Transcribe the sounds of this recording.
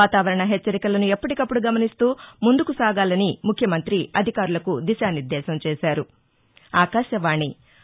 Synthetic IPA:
aːt̪aːʋɐɾɐɳɐɦet͡ʃːɐɾikɐlɐnuepːɐʈikɐpːuɽuɡɐmɐnist̪uːmund̪ukusaːɡaːlɐnimukʰjɐmɐnt̪ɾiɐd̪ʱikaːɾulɐkud̪iʃaːniɾd̪ɛːʃɐmt͡ʃɛːʃaːɾu | aːkaːʃɐʋaːɳi

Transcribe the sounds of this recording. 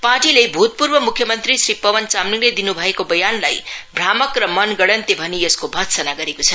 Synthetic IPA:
paʈilebʱut̪̚purbʌmukʰjʌmʌnt̪risripʌwʌnt͡samniŋled̪inubʱʌekobʌjanlajbʱramʌkrʌmʌnɡʌɽʌnt̪ebʱʌnieskobʱʌt̪sʌnaɡʌɾekot͡sʰʌ

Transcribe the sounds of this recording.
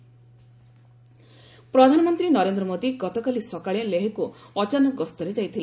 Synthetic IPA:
pɾɔd̪ʱanɔmɔnt̪ɾinɔɾend̪ɾɔmod̪iɡɔt̪ɔkalisɔkaɭeleɦekuɔt͡ʃanɔɡɔst̪ɔɾed͡ʒajt̪ʰila

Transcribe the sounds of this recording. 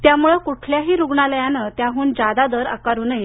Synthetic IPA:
t̪jamuɭekuʈʰljaɦiːɾuɡɳaljanət̪jaɦuːnd͡ʑad̪ad̪əɾa̰kaɾuːnəje

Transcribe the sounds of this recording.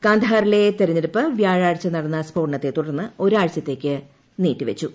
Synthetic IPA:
kaːnd̪ʱɐaːɾilet̪eɾɐɲːilupːɨʋjaːɻaːɻt͡ɕːɐnɐɽɐnːɐspo̞ːɳːɐt̪ːe̞t̪ːuɽɐrnːɨo̞ɾuaːɻt͡ɕɐt̪ːe̞ːkʲːɨ | niːtːiʋet͡ɕːu

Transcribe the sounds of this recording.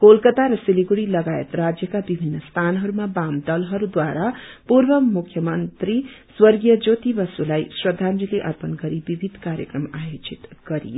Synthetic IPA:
kolkʌt̪aɾʌsiliɡuɽilʌɡajḛt̪rad͡zjʌkabibʱinːʌst̪ʰanɦʌɾumabamd̪ʌlɦʌɾud̪waɾapurbʌmukʰjʌmʌnt̪riswʌrɡijʌd͡zot̪ibʌsulajsrʌd̪ʱːand͡zileʔʌ̰rpʌnɡʌɾibibʱid̪ʱkaɾjʌkrʌmajot͡sit̪ɡ̥ʌɾḭjo

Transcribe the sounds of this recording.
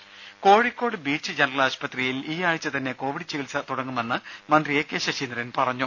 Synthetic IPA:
ko̞ːɻikʲːo̞ːɽɨbiːt͡ɕːɨd͡ʑenɐrɐlaːɕpɐt̪rijiliːaːɻit͡ɕːɨt̪ɐnːe̞ko̞ːʋiɽit͡ɕːiʋilsɐt̪uɽɐŋːumenːɨmɐnd̪rieːkːeːɕɐt͡ɕind̪rɐnpɐrɐɲːu

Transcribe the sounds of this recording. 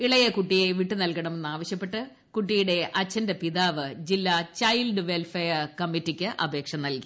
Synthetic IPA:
iɭɐjɐkuʈːijeʋiʈːɨnɐlkɐɳɐme̞nːaːʋɐɕjɐpːe̞ʈːɨ | kuʈːijuɽe̞ʔɐt͡ɕːɐndɐpiðaːʋɨd͡ʑilːat͡ɕɐjlɖɨʋelfeɐkɐmːitːikʲːɨʔɐ̰bʱe̞ːkʂɐnɐlki

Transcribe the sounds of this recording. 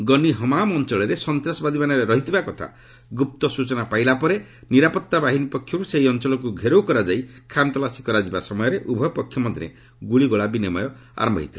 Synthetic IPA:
ɡɔniɦɔmamɔnt͡ʃɔɭɔɾesɔnt̪ɾasɔbad̪ʱimanɔɾeɾɔɦit̪ibakɔt̪ʰa̰ | ɡup̚t̪ɔsut͡ʃɔnapailapɔɾe | niɾapɔt̪ːabaɦinipɔkʰjɔkuseɦiɔnt͡ʃɔlɔk̬uɡʱeɾowkɔɾad͡ʒaikʰant̪ɔlasi̥kɔɾad͡ʒibasɔmɔjɔɾeʔubʱɔpɔkʰjɔmɔd̪ʱiɾḛ | ɡuɭiɡɔɭabinemɔjɔ | a̰ɾɔmbɔ̰ɦḭt̪ʰila

